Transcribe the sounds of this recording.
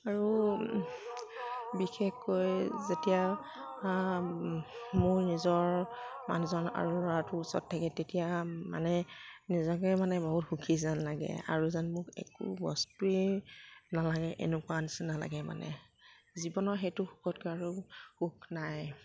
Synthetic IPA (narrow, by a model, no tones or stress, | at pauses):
aɹu | bixexːojzetija | mʊɹnizɔɹma̰nuzɔna̰ɹuɹɔatʊusɔ̰tʰːakɛtetijama̰nɛnizɔkɛmanɛboɦutxukʰizanlaɡɛ̰a̰ɹuzanmʊkɛ̰kṵbɔ̰stui | nalaɡɛʔḛnʊkuanisɛnala̰ɡɛma̰nʔɛ̰ | zibɔnɔxejtʊxukʰɔtkɔaɹuxuknaj